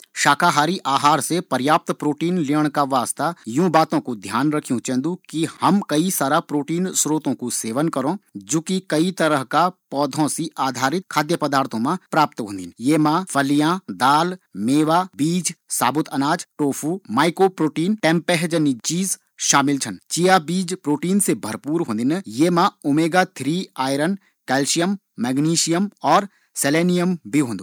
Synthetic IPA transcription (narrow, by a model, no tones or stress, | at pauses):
ʃaːkʰaɦaːɾiʔaːɦaːɾsepɐɾjaːp̚t̪pɾoːʈiːnliːəɽ̃kaʋaːst̪ajũːbaːt̪õkud̪ʱjaːnɾɐkʰijũt͡ʃɛ̃ːnd̪ukihɐmkɐisaːɾapɾoːʈiːnsɾoːt̪õkuseːʋənkɐɾõːd͡ʒoːkikɐit̪ɐɾəɦkapɔːd̪ʱõsiʔaːd̪ʱaːɾɪt̪̚kʰaːd̪jəpɐd̪aːɾt̪ʰõmãpɾaːp̚t̪ɦõːnd̪ḭːnjeːmãfɐlijãd̪aːlmeːʋaːbiːd͡ʒsa̰ːbʊt̪ʰɐnaːd͡ʒʈoːfʰuːmaːɪkopɾoːʈiːnʈɛ̃ːmpɛɦd͡ʒənt͡ʃiːz | ʃaːmɪlt͡ʃʰənt͡ʃijabiːd͡ʒpɾoːʈiːnsebʱɐɾpuːɾɦõːnd̪injeːmãʊmeːɡat̪ʰɾiːaːɪɾən | kɛːlʃijəmː | ɛːɡniːʃijəmɔːɾ | seleːnijəmbʱiɦõːnd̪u